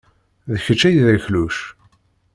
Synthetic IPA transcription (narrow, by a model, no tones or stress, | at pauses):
ðəçət͡ʃːæjðəçluʃ